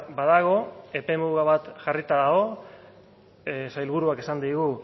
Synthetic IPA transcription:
baðaɣ̞o̞e̞pe̞muɣaβat̪ʝarit̪aðaɣo̞ | sajlβ̞uɾuake̞sand̪iɣu

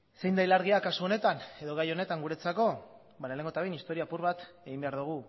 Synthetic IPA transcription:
se̞jnd̪ajlaɾɣ̞iakasuo̞ne̞t̪ane̞ðo̞ɣajo̞ne̞t̪aŋɡuɾe̞t͡sako̞ | baɾale̞ŋɡo̞t̪aejnist̪o̞ɾiaːpuɾβat̪ | eɣimbe̞aɾðuɣ̞u

